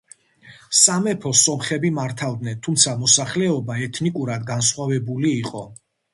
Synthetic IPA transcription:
samɛpʰɔsɔmχɛbimaɾt̪ʰavd̪nɛnt̪ʰumt̪sʰamɔsaχlɛɔbaɛt̪ʰnikʼuɾad̪ɡansχwavɛbuliːqʼɔ

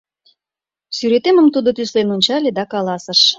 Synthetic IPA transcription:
syɾet̪eməmt̪ud̪ot̪yslenonʲt͡ɕɑlʲed̪ɑkɑlɑsə̆ʃ

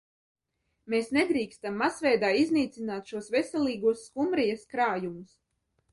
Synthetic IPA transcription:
meːsned̪ɾiːkst̪amːasvɛjd̪aːizniːt̪sʲinaːt̪ʃuɔsvɛsʲɛlˠiːɡuɔsːkumɾijɐskɾaːjumus

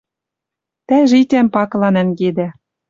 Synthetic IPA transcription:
t̪æʒit̪ʲæmpɑklˠɑnæ̆nɡed̪æ

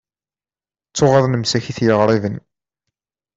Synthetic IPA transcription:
t͡sːʊʁɑðˤnəmsæçiθjəʁɾˤiðən

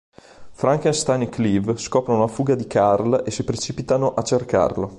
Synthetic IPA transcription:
fɾaŋkenst̪ajnklivskɔːpɾonolafuːɡad̪ikʰarlesipɾet͡ʃiːpit̪anoʔat͡ʃːerka̰rlo

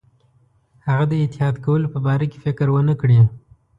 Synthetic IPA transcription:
haɣad̪əɪt̪ɪhɑd̪kawəlopəbɑɾake̥fɪkɾwənəkɽi

